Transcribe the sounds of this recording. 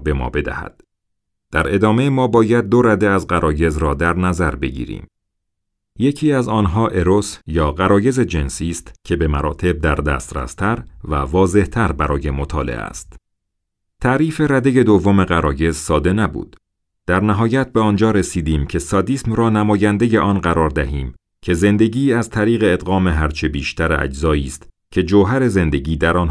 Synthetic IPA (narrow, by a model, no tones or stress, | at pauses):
be̞mɒ̰ːbe̞d̪æ̰hæ̰d̪̥ | d̪̥æɾe̞d̪ɒːme̞mɒːbɒːjæd̪̚ːo̞ɾæd̪eæzɢæɾʔɒːje̞zɾɒːd̪æɾnæzæɾbe̞ɟḭːɾḭːm | je̞cʰiːæzɒːnɦɒːʔe̞ɾo̞sjɒːɢæɾɒːje̞ze̞d͡ʒe̞nsiːst̪cʰe̞be̞mæɾɒːt̪ʰe̞b̚d̪æɾd̪æ̰ːst̪ɾæ̰st̪ʰæɾvævɒːze̞ht̪ʰæɾbæɾɒːje̞mot̪ʰɒːlḛʔæ̰st̪ | t̪ʰæɾiːfe̞ɾæd̪e̞je̞d̪ovːo̞me̞ɣæɾɒːje̞zsɒːd̪e̞næbṵːd̪̥ | d̪̥æɾnæɦɒːjæt̪̚be̞ɒːnd͡ʒɒːɾesiːd̪iːmcʰe̞sɒd̪iːsmrɒːnæmɒːjænd̪e̞je̞ʔɒnɢæɾɒːɾd̪æɦiːm | cʲʰe̞ze̞nd̪e̞ɟiːæzt̪ʰæɾiːɣe̞ːd̪ɣɒːme̞ɦæɾt͡ʃʰe̞biːʃt̪ʰæɾæ̰d͡ʒzɒːiːst̪ | cʰe̞d͡ʒoɦæɾe̞ze̞nd̪e̞ɟiːd̪æɾɒːnː